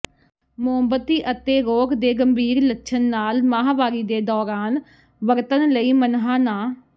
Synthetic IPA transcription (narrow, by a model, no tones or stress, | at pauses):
mʊəmbət̪iːʔət̪eːɾoːkd̪eːɡəmbiːɾlətːʃʰənːaːlmaːɦaːʋaːɾiːd̪eːd̪ɔːɾaːn | ʋəɾt̪ənləiːmənɦaːnaː